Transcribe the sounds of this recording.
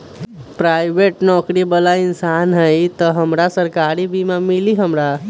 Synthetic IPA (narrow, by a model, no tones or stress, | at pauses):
pɾajbeʈnɔkɾibəlaɪnsanɦəjt̪əɦəmɾasəɾkaɾibimãmiliɦəmɾa